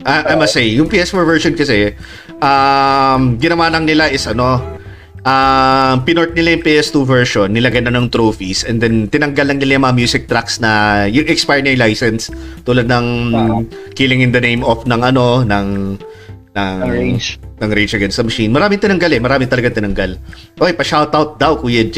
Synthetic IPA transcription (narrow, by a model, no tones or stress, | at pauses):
ʔɐʔajmɐsejjʊŋpiːɛsfoɹvɛɹʃonkɐsɛ | ʔamɡɪnɐwaːlɐŋnɪlaʔɪsʔɐno̞ | ʔampɪnoɹt̪̚nɪlajʊŋpiːʔɛst̪uvɛɹʃonːɪlaɡɐnɐnɐŋt̪ɾowfisʔɛnd̪ɛnt̪ɪnɐŋɡɐlːɐŋnɪlajɐŋmɐŋamjuːsɪk̚t̪ɾaksnɐjʊŋʔɛkspɛɹnɛɹlajsɛnst̪uːlɐd̪̚nɐŋ | kilɪŋɪ̃nd̪ɐnejmofnɐŋʔɐno̞nɐŋ | nɐŋ | nɐŋɾet͡ʃɐɡɛnsɐmɐʃinmɐɾaːmɪŋt̪ɪnɐŋɡalɛmɐɾaːmɪŋt̪ɐlɐɡaŋt̪ɪnɐŋɡɐl | ʔojpɐʃawt̪awt̪̚d̪awkujɪn